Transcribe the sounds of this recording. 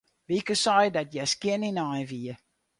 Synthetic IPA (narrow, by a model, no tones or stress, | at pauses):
vikəsɑjdɐtjɛskiəninɑjviə